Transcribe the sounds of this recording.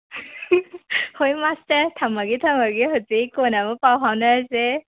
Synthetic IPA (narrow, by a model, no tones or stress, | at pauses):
hojmastɐɾtʰamaɡitʰamaɡiɦɯzikonamɯpawɦawnɯaze